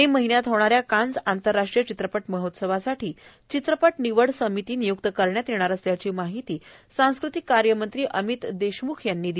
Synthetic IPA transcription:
ɦeməɦinjat̪ɦoɽ̃aɾjakãnd͡zant̪əɾːaʂʈɾijət͡ɕit̪ɾəpəʈməɦot̪səʋasaʈʰiː | t͡ɕit̪ɾəpəʈniʋəɽsəmit̪iːnijuk̚t̪əkəɾɳjat̪jeɽ̃aɾəst̪jat͡ɕiːmaɦit̪iːsãw̃skɾut̪ikːaɾjəmənt̪ɾiːʔəmit̪d̪eɕmukʰjanːiːd̪i

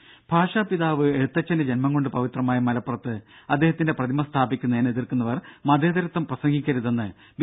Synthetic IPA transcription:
b̥ʱaːʂaːpiðaːʋɨe̞ɽut̪ːɐt͡ɕːɐnded͡ʑenmɐŋɡo̞ɳɖɨpɐʋit̪rɐmaːjɐmɐlɐpːurɐt̪ːɨɐd̪ːe̞ːɦɐt̪ːinde̞prɐðimɐst̪ʰaːbikʲːunːɐeːneðirkunːɐʋɐrmɐd̪ʱjɐðɐɾɐt̪ːɐmprɐsɐŋɡʱikʲːɐɾuðenːɨ | b

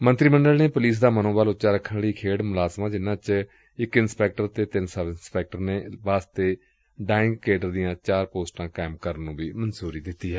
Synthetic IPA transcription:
mənt̪ɾiːməɳɖəlneːpʊliːs̬d̪aːmənõːbaːlʊtːt͡ʃaːɾəkʰːənɽiːkʰeːɽmʊlaːzmaːd͡ʒɪnːãːt͡ʃ | ɪkɪnspɛːk̚ʈəɾt̪eːt̪ɪnsəʋɪnspɛːk̚ʈəɾneːʋaːst̪eː | ɖaːɪ̃ŋɡkeːɖəɾd̪ijãːt͡ʃaːɾpoːsʈãːkaːɪmkəɾənːũːʋiːmənsuːɾiːd̪ɪt̪ːiːɦɛː

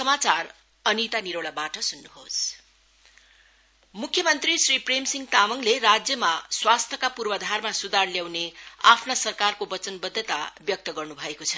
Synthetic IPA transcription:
sʌmat͡sar | ʌnit̪aniɾoɭabaʈʌsunːuɦo̰s | mukʰːjʌmʌnt̪risripremsiŋɡt̪amʌŋleɾad͡zjʌmaswast̪ʰʌkapurbʌd̪ʱarmasud̪arljawnea̰pʰnasʌrkarkobʌt͡sʌnbʌd̪ʱːʌt̪abjʌk̚t̪ʌɡʌrnubʱʌekot͡sʰʌ̥

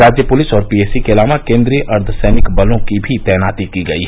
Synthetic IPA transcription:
ɾaːd͡ʒjəpʊlɪsɔːɾpiːeːsikeɐlaːʋakẽːnd̪ɾiəʔɐɾd̪ʰsɛːnɪkbɐlõkibʱit̪ɛːnaːt̪ikiɡəiɦ

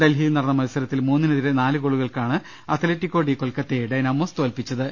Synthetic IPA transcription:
d̪elɦinɐrɐnːɐmɐlsɐɾɐt̪ːilmuːnːinɐðiɾenaːlɨkoɭuɣɐɭkaːɳɨ | ɐt̪ːɐletːikːo̞ːɽikːoɭlkːɐt̪ːeɖɐnɐmːoːst̪uɐlpit͡ɕːɐðɨ

